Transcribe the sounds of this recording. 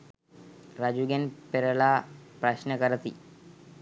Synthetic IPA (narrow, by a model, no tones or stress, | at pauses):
ɾad͡ʑuɡenpeɾəlapɾaɕnəkəɾət̪ḭ